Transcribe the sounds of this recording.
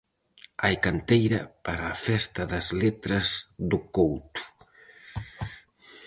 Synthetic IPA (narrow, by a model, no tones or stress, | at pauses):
ajkant̪ejɾəpaɾafest̪aðəzlet̪ɾəzd̪ukowt̪u̥